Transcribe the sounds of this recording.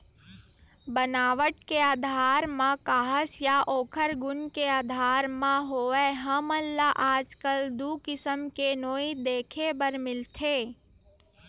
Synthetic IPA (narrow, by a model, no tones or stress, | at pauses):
bənaːʋəʈkeaːd̪ʱaːɾmãkaːɦəsjaʔoːkʰəɾɡʊnkeaːd̪ʱaːɾmãɦoɛɦəməlːaʔaːd͡ʒkəld̪ukɪsəmkenoːid̪eːkʰebəɾmɪlt̪ʰeː